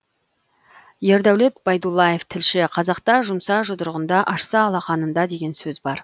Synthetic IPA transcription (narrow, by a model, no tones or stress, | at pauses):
je̞ɾd̪æwle̞t̪b̥ɑjd̪ulˠːɑje̞ft̪ʰɪlʃɪqʰɑzɑqt̪ɑʒʊmsɑʒʊd̪əɾʁənd̪ɑʔɑʃsɑːlˠɑχɑnənd̪ɑd̪e̞ɡʲe̞nsɵzbɑɾ